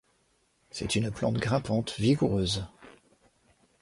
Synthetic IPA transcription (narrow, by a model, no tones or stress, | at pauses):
sɛt̪ynplɑ̰̃t̪ɡʁɛ̃pɑ̃t̪viɡuʁøːz